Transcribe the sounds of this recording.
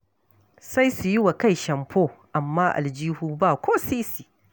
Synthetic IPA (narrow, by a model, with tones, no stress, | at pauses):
sa˦jsu˨ji˦wa˨ka˦˨jʃɐ˨mpʰoː˦ʔa˨mːaː˦ʔa̰˨ld͡ʒiː˦huː˦ba˦˨kʷoː˦siː˦siː˨